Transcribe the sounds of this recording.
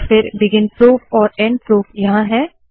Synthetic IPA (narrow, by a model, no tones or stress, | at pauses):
fɪɾbɪɡɪnpɾoːpɔːɾɛ̃ːɳɖ̚pɾoːpjɐɦãɦɛː